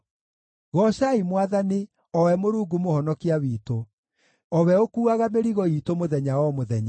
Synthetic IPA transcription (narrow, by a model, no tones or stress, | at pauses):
ɣɔʃaimwaðani | ɔwɛmoɾuːɡumohɔnɔkiawiːto | ɔwɛokuːaɣameɾiɣɔitomoðɛɲawɔmoðɛɲa